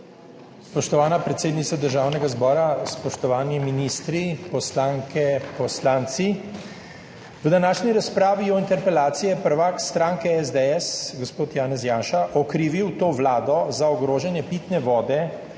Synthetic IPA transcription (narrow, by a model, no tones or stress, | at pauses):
spɔʃt̪ɔʋaːnapɾɛt̪seːd̪nit̪sad̪əɾʒaːwnɛɡazbɔːɾaspɔʃt̪ɔʋaːniminiːst̪ɾipɔslaːŋkʰɛpɔslaːnt̪si | vd̪anaːʃniɾaspɾaːʋiɔint̪ɛɾpɛlaːt̪sijɛpəɾʋakst̪ɾaːŋkɛɛzd̪ɛɛsɡospoːt̪jaːnɛz̬jaːnʃaʔɔkɾiːʋiwt̪oːʋlaːd̪ɔzaɔɡɾoːʒanjɛpiːt̪nɛʋɔːd̪ɛ